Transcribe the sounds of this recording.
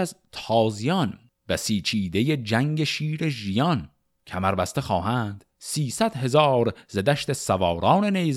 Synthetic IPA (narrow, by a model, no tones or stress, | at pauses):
æzt̪ʰɒːzijɒn | bæsiːt͡ʃʰiːd̪e̞jed͡ʒæŋɟeʃiːɾeʒijɒn | cʰæmæɾbæst̪exɒːɦæːnd̪̥ | siːsæd̪̥ɦe̞zɒːɾzed̪æʃt̪esævɒːɾɒːnenez